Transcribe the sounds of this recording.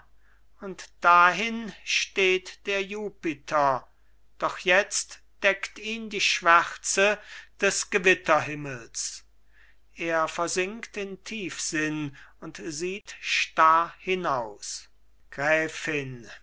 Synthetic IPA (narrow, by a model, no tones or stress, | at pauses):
ʊntd̥aɦɪnʃteːtd̥eːɐjuːpɪtʰɐ | d̥ɔχjɛt͡st | d̥ɛktiːndiːʃv̥ɛʁt͡səd̥ɛsɡ̥əvɪtʰɐɦɪməls | ʔeːɐfɛɐzɪŋktɪntʰiːfz̥ɪnʊntziːtʃtaɐhɪnaʊs | ɡ̥ʁɛːfɪn